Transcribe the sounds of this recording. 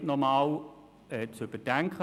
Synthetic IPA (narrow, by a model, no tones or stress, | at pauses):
tnɔmaːl | ɛt͡søb̥əd̥ɛŋkʰə